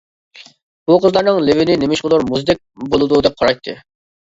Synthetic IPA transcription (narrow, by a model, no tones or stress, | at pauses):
b̥uqʰəzlˠɑɾnɨŋlɪvɪnɪnɪmɪʃqʊlˠuɾmuzd̪ɛk̚ʲbolˠɨd̪ud̪ɛp̚qʰɑɾɑjt̪ʰːɨ